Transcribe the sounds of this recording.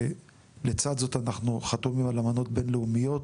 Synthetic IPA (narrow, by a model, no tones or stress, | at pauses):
let͡sad̪zo̞t̪anaχnuχat̪omimalamano̞t̚be̞nleumijo̞t